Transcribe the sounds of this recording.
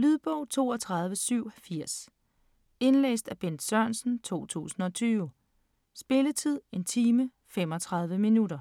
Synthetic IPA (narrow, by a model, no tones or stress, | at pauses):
lyðˠb̥ɔʊ̰t͡sʰo̝ːɒt͡sʰʁɑ̈ð̞ˠʋəsyʊ̰fiɐ̰s | e̝nlḛːsd̥æb̥en̰d̥sɶɐ̰nsn̩t͡sʰo̝̰ːt͡sʰṵːsn̩ɒ̽t͡sʰyːʊ | sb̥e̝lət͡sʰið̞̰ˠe̝nt͡sʰiːmə | fem̰ɒ̽t͡sʰʁɑ̈ð̞ˠʋəminuɾɐ